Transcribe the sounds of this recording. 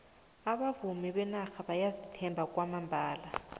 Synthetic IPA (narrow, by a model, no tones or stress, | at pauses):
aβavumiɓɛnaxaɓajazitʰɛmbʱakʼwamambʱaːla